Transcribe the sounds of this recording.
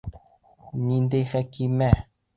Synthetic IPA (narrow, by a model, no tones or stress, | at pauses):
ɲind̪exɛkimɛ